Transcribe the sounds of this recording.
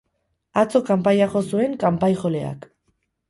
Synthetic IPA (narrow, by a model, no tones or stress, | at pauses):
at͡so̞kampajaʝo̞sue̞ŋkampajxo̞le̞a̰k